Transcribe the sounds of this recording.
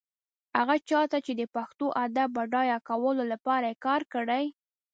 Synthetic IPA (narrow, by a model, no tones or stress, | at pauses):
haɣat͡ʃɑt̪at͡ʃed̪əpaxt̪oʔad̪abaɖɑjɑkawəlolapɑɾajekɑɾkəɽaj